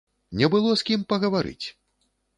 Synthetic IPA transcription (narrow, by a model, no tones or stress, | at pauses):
nʲɛbɨlˠɔskʲimpɐɣɐvaɾɨ̰t͡sʲ